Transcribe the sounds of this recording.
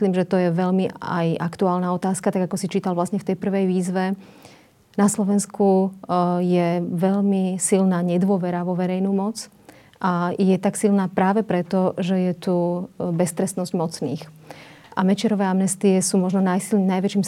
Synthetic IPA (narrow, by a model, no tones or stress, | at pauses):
liːmʒɛt̪ɔjɛʋɛʎmia̰jʔakt̪uaːlnaɔt̪aːskat̪aɡakɔsit͡ʃiːt̪alʋlasɲɛft̪ɛjpr̩ʋɛjʋiːzʋɛ | naslɔʋɛnsku | jɛʋɛʎmisilnaːɲɛd̪ʋʊɔʋɛɾaʋɔʋɛɾɛjnuːmɔt͡s | ʔajɛt̪aksilnaːpɾaːʋɛpɾɛt̪ɔʒɛjɛt̪ubɛst̪ɾɛst̪nɔzɟmɔt͡sniːxʔamɛt͡ʃɪɛɾɔʋɛːamnɛst̪iɛsuːmɔʒnɔnajsilnajʋɛt͡ʃiːm